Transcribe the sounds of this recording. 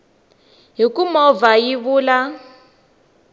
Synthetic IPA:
ɦikumɔvajiβuːla

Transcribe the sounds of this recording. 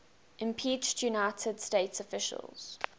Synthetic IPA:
ʔɪ̃mpʰiˑt͡ʃtʰjunaɪtʰəd̥steɪtsɔfɪʃə̰lˠz̥

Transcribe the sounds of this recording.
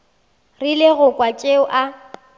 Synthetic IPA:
rɪlɪɣʊkʼwat͡ʃʼeʊʔa

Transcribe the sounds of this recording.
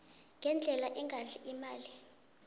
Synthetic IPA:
ŋɡʱɛnd͡ɮʱɛlaʔɛŋʱaɬiʔimaːli

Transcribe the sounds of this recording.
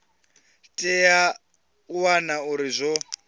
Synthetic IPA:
tʼɛja | uwanauɾizʷɔ

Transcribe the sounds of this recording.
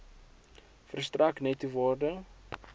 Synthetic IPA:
fərst̪raknɛtuvɔrdə

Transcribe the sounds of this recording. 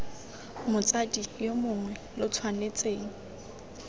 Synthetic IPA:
mʊt͡sʼadijomʊŋwɛ | lʊt͡sʰwanet͡sʼeːŋ̩

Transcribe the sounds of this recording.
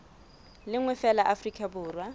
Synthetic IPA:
lɪŋwɛfɛlaʔafrikʼabʊːrwa

